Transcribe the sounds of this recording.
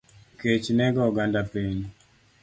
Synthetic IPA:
ket͡ʃnɛɡɔɔɡandapeɲ

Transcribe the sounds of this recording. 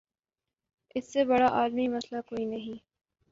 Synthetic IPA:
ɪsːebɐɽaʔaːlmimɐslakoːinɐɦĩ

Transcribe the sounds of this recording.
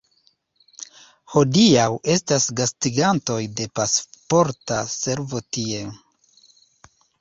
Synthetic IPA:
ho̞diawʔe̞stasɡastiɡanto̞jde̞paspo̞ɾtase̞ɾvo̞tie̞

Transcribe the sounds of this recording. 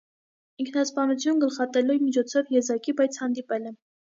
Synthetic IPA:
iŋkʰnɑspɑnut͡sʰjunɡəlχɑt̪ɛlumit͡ʃʰɔt͡sʰɔvjɛzɑkibɑjt͡sʰhɑnd̪ipɛlɛ

